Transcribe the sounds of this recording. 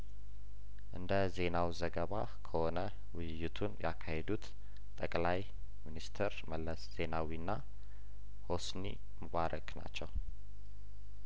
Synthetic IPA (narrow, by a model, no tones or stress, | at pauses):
ʔɨnd̪əze̞nawzəɡəβa | kʰəho̞nə | wɨjjːɪt̪ʰunjakʰːahed̪ut̪ | t̪ʼəkʼlaj | minist̪ʰeɾməlːəsz̥e̞nawinːa | ho̞snḭ | məβaɾəkʼna̰t͡ʃːɛw